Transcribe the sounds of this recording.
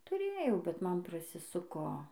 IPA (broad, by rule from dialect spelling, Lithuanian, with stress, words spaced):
tʊˈrʲeːjɛʊ bʲɛt ˈmɐn prɐsʲɪˈsʊkoː